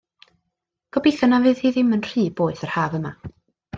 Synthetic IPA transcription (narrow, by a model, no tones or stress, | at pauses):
ɡ̥ɔbiθanavɨːðiðɪmənr̥iːboːɨθərhaːvəma̰